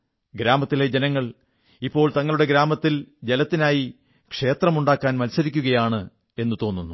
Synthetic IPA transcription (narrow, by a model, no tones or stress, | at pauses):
ɡɾaːmɐt̪ːile̞d͡ʑenɐŋːɐɭ | ipːo̞ːɭt̪ɐŋːɐɭuɽe̞ɡɾaːmɐt̪ːild͡ʑelɐt̪ːinaːji | kʂe̞ːt̪rɐmuɳɖaːkːaːnmɐnsɐɾikʲːuɣɐjaːɳɨ | e̞nːut̪o̞ːnːunːu